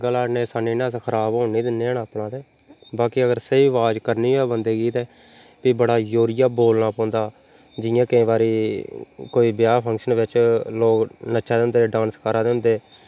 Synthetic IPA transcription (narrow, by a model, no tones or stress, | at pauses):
ɡəlaːnẽːsaːniːnãːskʰəɾaːbɦoːniːd̪ɪnːeːɳaːpɳãːd̪eː | baːkiːəɡəɾseiːʋaːd͡ʒkəɾniːɦoɛːbənd̪eːɡiːt̪ɛː | piːbəɽaːjoːɾɪjaːboːlnaːpɔ̃ːnd̪aː | d͡ʒɪjãːkɪĩːʋaːɾiː | koːiːbɪjaːpʰə̃ŋkʃənʋɪt͡ʃloːɡnəʃʰaːd̪eːʊ̃nd̪eːɖãːnskəɾãːd̪eːʊ̃nd̪eː